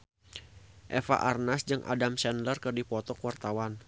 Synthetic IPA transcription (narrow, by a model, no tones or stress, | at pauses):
ʔɛfa̰ʔarnasd͡ʒɨŋʔa̰damsɛnlərkɨrdipɔt̪ɔkuwart̪awan